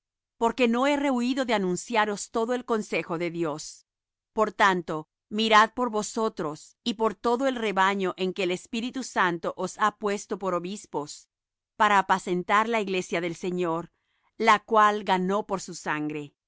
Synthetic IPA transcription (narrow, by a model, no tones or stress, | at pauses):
po̞ɾke̞no̞e̞re̞uiðo̞ðeanũnsjaɾo̞st̪o̞ðoe̞lko̞nse̞xo̞ðe̞ðjo̞s | po̞ɾt̪ant̪o̞ | miɾað̚po̞ɾβo̞so̞t̪ɾo̞sipo̞ɾt̪o̞ðo̞e̞lre̞βaɲo̞ʔe̞ŋke̞ːlespiɾit̪usant̪oʔosapwe̞st̪o̞po̞ɾoβispo̞s | paɾaːpase̞nt̪aɾlaiɣle̞sjaðe̞lseɲoɾ | lakwalɡano̞po̞ɾsusaŋɡɾe̞